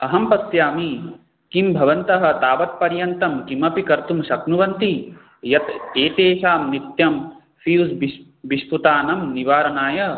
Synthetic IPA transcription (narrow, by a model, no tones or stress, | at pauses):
ɐɦɐmpɐsjaːmi | kimbʱɐʋɐnt̪ɐɦɐ̆t̪aːʋɐt̪̚pɐɾjɐnt̪ɐmkimɐpikɐɾt̪umʃɐknuʋɐnt̪i | jɐt̪eːt̪eːʃaːmnit̪jɐm | fiusbi | biʂput̪aːnɐmniʋaːɾɐnaːjɐ